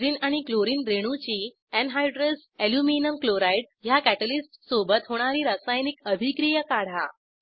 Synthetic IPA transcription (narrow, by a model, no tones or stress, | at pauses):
ɾiːnaɽ̃ikloɾiːnd̪ɾeɽ̃ut͡ɕiː | ɛnɦajɖɾes | eljuminəmkloɾajʈ | jakæʈəlisʈsobət̪ɦoɽ̃aɾiːɾasajnikəbʱikɾijəkaɽ̤a